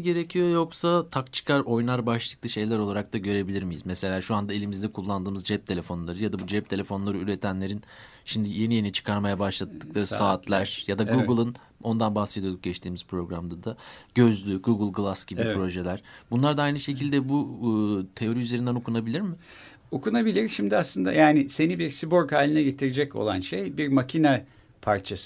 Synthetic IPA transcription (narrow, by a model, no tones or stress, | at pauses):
ɟe̞ɾecʰijo̞jo̞ksat̪ʰakt͡ʃʰɯ̥kʰaɾo̞jnaɾbaʃlˠɯ̥klˠɯʃe̞jlʲæɾo̞lˠaɾak̚t̪aɟø̞ɾe̞bilʲiɾmijḭzmese̞lʲaːʃuand̪ae̞lʲimizd̪ɛkʰulˠːand̪ɯːmɯzd͡ʒɛp̚t̪ʰe̞lʲe̞fo̞nlˠaɾɯjad̪abud͡ʒɛp̚t̪ʰe̞lʲe̞fo̞nlˠaɾɯyɾe̞t̪ʰænlʲe̞ɾin | ʃimd̪ije̞nije̞nit͡ʃʰɯ̥kʰaɾmajabaʃlˠat̪ːɯklˠaɾɯsaːt̪ʰlʲæɾ̥jad̪aɡuɡɯlˠɯn | o̞nd̪anbahsed̪ij̪ˠuk̚ɟ̥ɛt͡ʃt̪ʰiːmiz̥pɾo̞ɡɾamd̪ad̪aɟ̥ø̞zlʲyɡuɡɯlˠɡɯlˠasɟ̥ibbipɾo̞ʒelʲæɾ̥bunlˠaɾd̪aajnɯʃe̞cʰilʲd̪ɛbu | t̪ʰe̞o̞ɾiyze̞ɾind̪ɛno̞kʰunabilʲiɾmɪ | okunabilʲiɾʃimd̪ɪaslˠɯnd̪a̰jaːnɪse̞nibiɾsiboɾkhaːlʲinɛɟe̞t̪ʰiɾed͡ʒɛco̞̰lˠanʃejbiɾmacʰina | pʰaɾt͡ʃʰasɯ